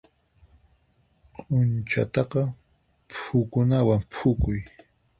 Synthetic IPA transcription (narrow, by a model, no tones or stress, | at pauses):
qʼʊnt͡ʃa̰t̪ɑqɑ | pʰʊkʊnawampʰʊkʊj